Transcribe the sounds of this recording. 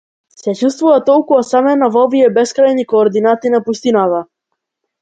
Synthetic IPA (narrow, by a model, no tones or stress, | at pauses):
sɛt͡ʃust̪vuvat̪ɔlˠkuasamɛnavɔviɛbɛskɾajnikɔːɾd̪inat̪inapust̪inat̪a